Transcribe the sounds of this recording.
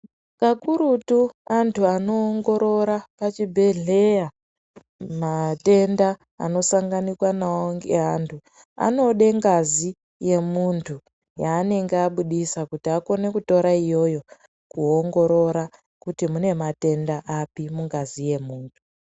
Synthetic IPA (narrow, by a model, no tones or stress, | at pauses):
kakuɾutuantʰuanoːŋɡo̞ɾo̞ɾapat͡ʃibʱe̞ɮe̞ja | mate̞nda̰ː | no̞saŋɡanikwanaoŋɡḛɦantʰu | a̰no̞ɗe̞ŋɡazi | je̞muntʰu | jaːne̞ŋɡeaɓuɗisakutiako̞ne̞kuto̞ɾaijo̞jo̞ | kuo̞ŋɡo̞ɾo̞ɾa | kutimune̞mate̞ndaʔapimuŋɡazije̞muːntʰu̥